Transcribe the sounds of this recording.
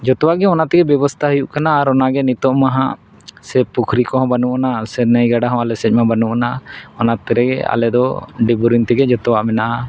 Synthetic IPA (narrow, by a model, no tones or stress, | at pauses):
d͡ʒɔt̪ɔwaʔɡɛɔnat̪ɛɡɛbjɔbɔst̪ʰaɦəjuʔkanaːɾɔnaɡɛnit̪ɔʔmaɦã̰ | sɛpukʰɾikɔɦɔ̃banuʔnasɛnəjɡaɖaɦɔ̃alɛsɛc̚mabanuʔkanaɔnat̪ɛɾɛɡɛ̰a̰lɛd̪ɔɖibuɾint̪ɛɡɛd͡ʒɔt̪ɔwaʔmɛnaʔa